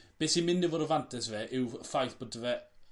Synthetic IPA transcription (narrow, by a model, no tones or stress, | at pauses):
b̥eːsimɪndɪvɔːɾəvantʰɛsvɛʔɪwfajθb̥odəvɛ